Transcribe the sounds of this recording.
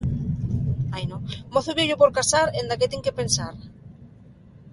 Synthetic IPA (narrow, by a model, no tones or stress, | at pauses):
ajnõmoθoβjeʎopoɾkasaɾend̪aket̪eŋkepensaɾ